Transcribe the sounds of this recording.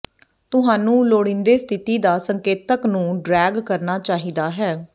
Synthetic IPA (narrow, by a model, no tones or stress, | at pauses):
t̪ʊɦaːnũːloːɽɪ̃nd̪eːst̪ʰɪt̪iːd̪aːsəŋkeːt̪əknũːɖɾɛːɡkəɾnaːt͡ʃaːɦiːd̪aːɦɛː